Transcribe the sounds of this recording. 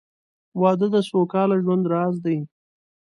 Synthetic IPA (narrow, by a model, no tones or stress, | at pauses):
wɑd̪əd̪əsokɑlaʒwand̪ɾɑzd̪aj